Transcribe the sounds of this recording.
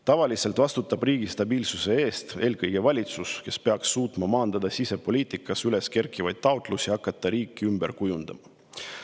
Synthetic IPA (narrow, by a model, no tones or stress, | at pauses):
t̪ɑvɑlise̞lt̪vɑst̪ut̪ːˑɑb̥riːɡ̥ist̪ɑbiːlsuse̞e̞ːst̪e̞ːlkɤjɡ̥e̞vɑlʲit̪suske̞spe̞ɑksːuːt̪mɑmɑːnd̪̥ɑd̪̥ɑsise̞po̞lʲiːt̪ˑikːˑɑsyle̞ske̞rkːˑivɑjd̪̥̚t̪ɑot̪ˑlusʲiɑkːˑɑt̪ˑːɑɾiːkːˑiymb̥e̞rkujund̪̥ɑmɑ